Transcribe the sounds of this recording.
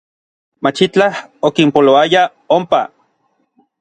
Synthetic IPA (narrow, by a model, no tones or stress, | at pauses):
mat͡ʃit͡ɬahokimpoloaja | ompa